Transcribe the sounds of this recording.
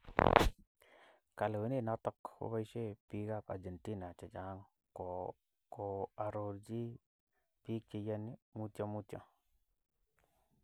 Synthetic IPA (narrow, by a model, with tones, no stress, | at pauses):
ka˨lwi˨ni˦˨na˦tɔ˦kṵ˦ba˦ʃe˦pi˦ɡa˦˨pa̰˨d͡ʒe˨nti˦na˨t͡ʃe˨d͡ʒa˨˦ŋ˨ | ko˨ | ko˨a˨ɾo˨ɾd͡ʒi˦ | pi˦ki˨ja˦ni˦mu˦to˦mu˦to̰˦